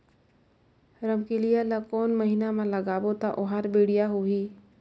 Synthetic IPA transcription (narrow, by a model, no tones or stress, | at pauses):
ɾəmkilijalakɔːnməɦinamãləɡaːbot̪aʔʊɦaɾbeːɽijaɦoɦiː